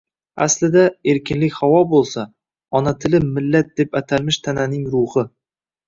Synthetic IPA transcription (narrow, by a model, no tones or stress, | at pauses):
a̰slɪd̪ae̞ɾkʲʰɪnlɪkʲhawɒbolˠsa | ɒnat̪ʰɪlɪmɪlːat̪̚d̪̥e̞pat̪ʰalmɪʃt̪ʰananɪŋɾʊhɨ